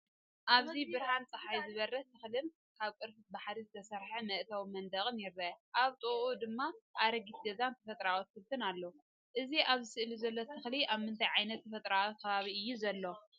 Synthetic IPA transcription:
ʔaβzibɨɾhant͡sʼɐħajzɨβɐrɐt̪ʰɨxlɨn | kʰaβkʼɨɾfɨbaħɾizɨt̪ʰɐsɐɾħɐmɐʔt̪ʰawmɐnd̪ɐɣʼɨnjɪɾːɐʔaβt̪ʼɨʔud̪ɨmːaʔaɾɐɡit̪ɡɐzant̪ʰɐ̥fɐt̪ʼɾawɔt̪̚fɨlt̪ʰɨnalːou | ʔɨziʔaβzɨsɨʔlizɐlːot̪ʰɨxliʔaβmɨnt̪ʰajʕajnɐt̪ːʰɐfɐt̪ʼɾawt̪̚kʰɐβaβiɨjːuzɐlːo̞

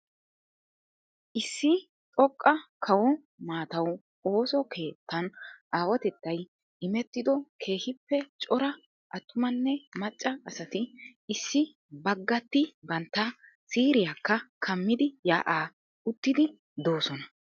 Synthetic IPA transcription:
ʔɪsːɪ | tʼɔkʼːɐkʰɐwɔ | maːt̪ɐw | o̞ːsɔkʰe̞ːt̪ːɐnʔaːwɔt̪ɛt̪ːɐj | ɪmɛt̪ːɪd̪ɔkʰe̞ːhɪpːɛt͡ʃʼɔɾɐ | ʔɐt̪ːʊmɐnːɛmɐt͡ʃʼːɐɐsɐt̪ɪːsːɪ | bɐɡːɐt̪ːɪbɐnt̪ːɐ | siːɾɪjakːɐkʰɐmːɪd̪ɪja̰ːʔaː | ʊt̪ːɪd̪ɪ | d̪o̞ːsɔnɐ

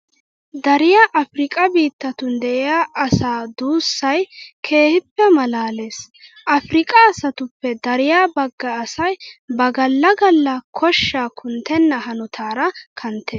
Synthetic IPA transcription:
d̪ɐɾɪjaːʔɐfɾɪkʼɐbiːt̪ːɐt̪ʊnd̪ɛʔɪjaːʔɐsaːd̪uːsːɐjkʰe̞ːhɪpːɛmɐlaːle̞ːs | ʔɐfɾɪkʼɐːsɐt̪ʊpːɛd̪ɐɾɪjaːbɐɡːɐːsɐjbɐɡɐlːɐɡɐlːɐkʰɔʃːaːkʰʊnt̪ɛnːɐhɐnʊt̪ʰaːɾɐkʰɐnt̪ːeː

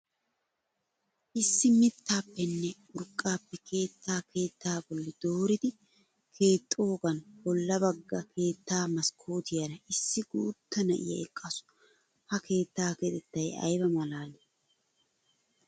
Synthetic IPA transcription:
ʔɪsːɪmɪt̪ʰːaːpːɛnːɛ | ʊɾkʼːaːpːɛkʰe̞ːt̪ʰːaːkʰe̞ːt̪ʰːaːbɔlːɪd̪̥oːɾɪd̪ɪ | kʰe̞ːt̪ʼːo̞ːɡɐnbɔlːɐbɐɡːɐkʰe̞ːt̪ːaːmɐskʰo̞ːt̪ɪjɐɾɐɪsːɪɡuːt̪ːɐnɐ̰ʔɪ̰jɐ̰ɛkʼːɐsʊ̥ | hɐkʰe̞ːt̪ːaːkeːt̪ɛt̪ːɐjɐ̰jbɐmɐlaːlɛ

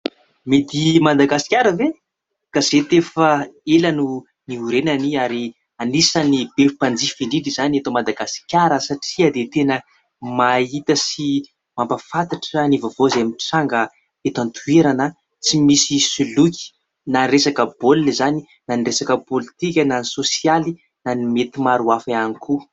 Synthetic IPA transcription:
mit̪imad̪aɡasi̥kʲaɾəve | kaz̥et̪efəelanu | niuɾenaniaɾi | anisənibefupand͡zifinidizaniet̪omad̪aɡasi̥kʲaɾəsaʈ͡ʂiad̪et̪enə | mait̪əsi | mambəfat̪aʈ͡ʂənivavozeamiʈ͡ʂaŋɡə | et̪ant̪ʰueɾanə | t͡simisisilukʲi̥ | nanresakəbollizani | naniresakəpolit̪ikʲənanisosiali | nanimet̪imaɾuafaanikʰu

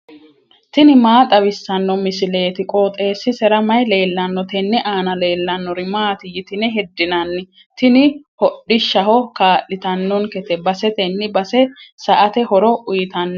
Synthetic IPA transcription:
t̪ɪnɪmaːt̪ʼɐbɪsːɐnːɔmɪsɪle̞ːt̪ɪkʼoːt̪ʼe̞ːsːɪsɛɾɐmɐjle̞ːlːɐnːɔt̪ɛnːɪʔaːnɐle̞ːlːɐnːɔɾɪmaːt̪ɪjɪt̪ɪnɛɦɛd̪ːɪnɐnːɪ | t̪ɪnɪ | hɔɗːɪʃːɐɦɔkaːʔɪt̪ɐnːɔnkɛt̪ɛbɐsɛt̪ɛnːɪbɐsɛsɐʔɐt̪ɛhɔɾɔʔʊjɪt̪ɐnː

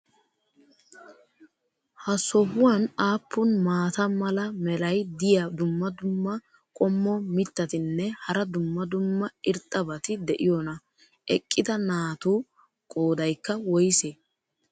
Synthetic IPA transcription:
hɐsɔɦʊwɐnaːpːʊnmaːt̪ɐmɐlɐmɛlɐjd̪ɪjɐd̪ʊmːɐd̪ʊmːɐ | kʼɔmːɔmɪt̪ːɐt̪ɪnːɛhɐɾɐd̪ʊmːɐd̪ʊmːɐɪɾt̪ʼːɐbɐt̪ɪd̪ɛʔɪjɔnɐ | ʔɛkʼːɪd̪ɐnaːt̪uː | kʼoːd̪ɐjkːɐwɔjseː

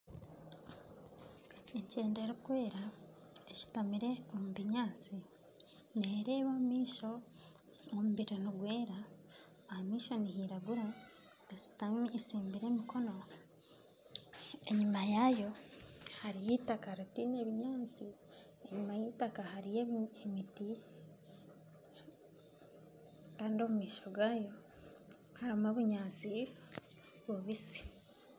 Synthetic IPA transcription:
eɲce̞ːndeɾukwe̞ːɾa | eci̥tamiɾe̞omuβiɲaːt͡si | neɾe̞ːβomumiːʃo̞ | omuβiɾiniɡweːɾaː | hamiːʃo̞niɦiɾaɡuɾo | dasi̥tamisiːmbiɾe̞ːmikʰo̞no̞ | e̞ɲumajaːjo̞haɾijiːtakaɾatine̞βiɲaːnt͡si | e̞ɲumajiːtakahaɾijeemiti | kaːndo̞mumiːʃoɡaːjo̞ | haɾimoβuɲaːt͡si | βwoβisi̥

